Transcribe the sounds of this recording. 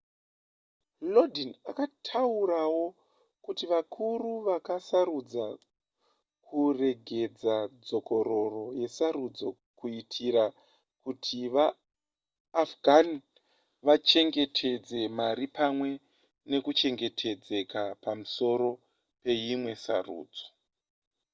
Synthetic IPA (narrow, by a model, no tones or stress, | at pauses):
lodinakatʰauɾawo̞ | kutiʋakʰuruʋakasaɾud͡za | kʰure̞ɡʱe̞d͡zad͡zo̞ko̞ɾo̞ro̞je̞saɾud͡zo̞ | kuitʰiɾa | kutʰiʋaː | fɡʱani | ʋat͡ʃe̞ŋɡe̞tʰe̞d͡ze̞maɾipamwe̞ | ne̞kut͡ʃe̞ŋɡe̞tʰe̞d͡ze̞kapamuso̞ɾo̞ | pe̞jimwe̞sa̰rṵːd͡zo̞̥